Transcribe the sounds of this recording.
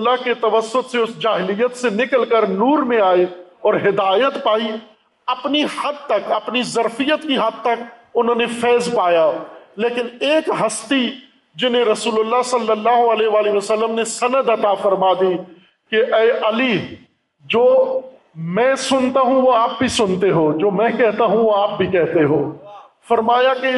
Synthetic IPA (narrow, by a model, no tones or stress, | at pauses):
lːaket̪ɐʋəsːʊt̪seʊsd͡ʒaːɦɪlijət̪senɪkəlkəɾnuːɾmẽaːeɔːɾɦɪd̪aːjət̪paːi | ɐpnihɐd̪̚t̪ɐkɐpnizɐɾfɪjət̪kiɦɐd̪̚t̪ɐkʊnɦõːnefʰɛːzpaːjaːleːkɪneːkɦɐst̪i | d͡ʒɪnẽɾɐsuːlʊlːaɦsɐlːəlːaːɦoəlɛːɦʋaːliʋəsəlːəmnesɐnəd̪ɐt̪afɐɾmad̪iː | keʔɛːʔɐli | d͡ʒoː | mɛ̃ːsʊnt̪aɦũʋoaːp̚bʱisʊnt̪eɦoːd͡ʒoːmɛ̃kɛɦt̪aɦũʋoaːp̚bʱikɛɦt̪eɦoː | fɐɾmaːjakeɪ